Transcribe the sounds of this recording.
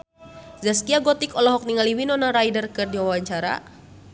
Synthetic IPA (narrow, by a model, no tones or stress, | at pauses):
zaskiaɡɔt̪ikɔlɔɦɔk̚niŋaliwinɔnaɾajdərkɨrdiwawaɲt͡ʃaɾa̰